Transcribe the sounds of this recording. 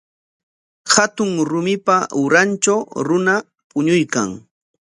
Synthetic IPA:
hat̪ʊŋɾʊmɪpaʊɾant͡ʃawɾʊna | pʊɲʊjka̰ŋ

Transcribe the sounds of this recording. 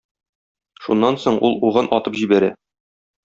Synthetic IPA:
ʃunːɑnsoɴʔulˠuʁɤnʔɒt̪ɤpʑibæɾæ̰

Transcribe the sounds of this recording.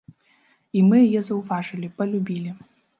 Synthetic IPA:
imɨjɐjɛzɐwvaʐɨlʲipɐlʲubʲilʲi

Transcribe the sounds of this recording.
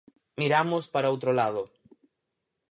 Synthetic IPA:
miɾamospaɾaowt̪ɾolað̞o

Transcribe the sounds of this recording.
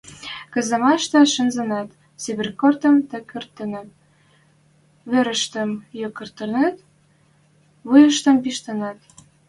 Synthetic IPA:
kə̆zə̆mɑʃt̪ɤ̆ʃə̆nzə̆nɑt̪ | t͡siβerkort̪ə̆mt̪ə̆kørt̪ːə̆næt̪ | βøɾə̆ʃt̪ə̆mjokə̆rt̪ə̆næt̪ | βujə̆ʃt̪ə̆mpiʃt̪ə̆nɑt̪

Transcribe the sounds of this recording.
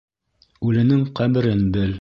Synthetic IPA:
ʉlɘ̆nɘŋqæbɘ̆ɾɘnbɘl

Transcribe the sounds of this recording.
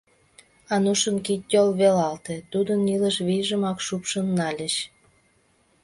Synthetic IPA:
ɑnuʃənkit̚ʲtʲolβelɑlt̪et̪ud̪əniləʃβijʒəmɑkʃupʃənːɑlʲəɕ

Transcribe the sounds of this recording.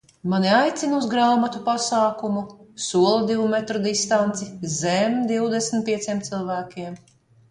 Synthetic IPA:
maniajt̪sinuzɡɾaːmat̪upasaːkumusuɔlˠad̪ivumɛt̪ɾɔd̪ist̪ant̪sizɛmd̪iwd̪esmt̪̚pʲiɛt̪siɛmt̪silˠvæːkʲiɛm

